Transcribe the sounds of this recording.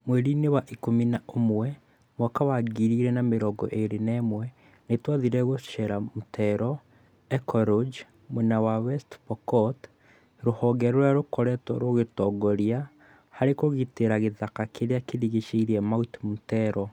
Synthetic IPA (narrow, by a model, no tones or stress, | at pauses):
mwɛɾinewaʔikominaomwɛ | mwɔkawaɡiɾiɾɛnameɾɔɡɔ̰ʔeɾenɛmwɛ | netwaðiɾɛɣoʃɛɾamutʰɛɾɔ | ɛkɔɾod͡ʒ | menawawɛstpɔkɔt | ɾohɔɡɛɾoɾaɾokɔɾɛtɔɾoɣetɔɡɔɾia | haɾekoɣiteɾaɣeðakakeɾeakeɾiɣeʃeiɾiɛmautmutɛɾɔ